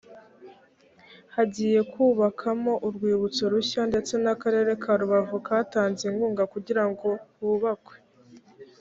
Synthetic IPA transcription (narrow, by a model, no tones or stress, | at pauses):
haɟiːje̞kuːβakʰamo̞ʔuɾɡwiːβut͡soɾuçande̞t͡se̞nakaɾe̞ɾe̞kʰaɾuβavukataːnziŋɡuːŋɡakuɟiɾaŋɡo̞huːβakwe̥